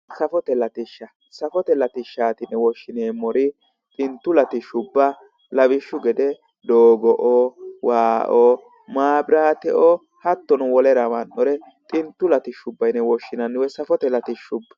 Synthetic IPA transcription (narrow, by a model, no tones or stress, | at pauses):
sɐfɔt̪ɛlɐt̪ɪʃɐ | sɐfɔt̪ɛlɐt̪ɪʃaːt̪ɪnɛwɔʃːɪneːmɔɾɪ | t̪ʼɪnt̪ːʊlɐt̪ɪʃʊbːɐ | lɐβɪʃːʊɡɛd̪ɛ | d̪oːɡɔʔowaːʔɔː | maːbɾaːt̪ɛʔɔ | hɐt̪ːɔnʊwɔlɛɾɐmɐnːɔɾɛ | t̪ʼɪnt̪ːʊlɐt̪ɪʃʊbːɐjnɛwɔʃːɪnɐnːɪwɛsɐfɔt̪ɛlɐt̪ɪʃʊbːɐ